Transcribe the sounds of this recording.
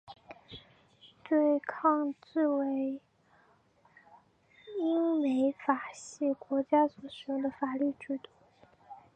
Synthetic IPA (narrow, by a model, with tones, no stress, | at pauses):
t̪we˥˧ɪkʰɑ˥˧ŋt͡sɹ̩˥˩we˧˥ɪ | i˥ŋme˧˥ɪfa˨˩ɕi˥˩kwɔ˧˥t͡ɕja˥sɔ˨˩ɕɔ˧˥d̪ə˨fa˨˩ly˥˩ʈ͡ʂɻ̩˧˥t̪u˥˩